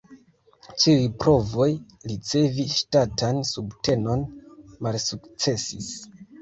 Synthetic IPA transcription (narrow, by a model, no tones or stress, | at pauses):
t͡ʃiijpɾo̞vo̞j | lit͡se̞viʃtatansubte̞no̞nmalsukt͡se̞sis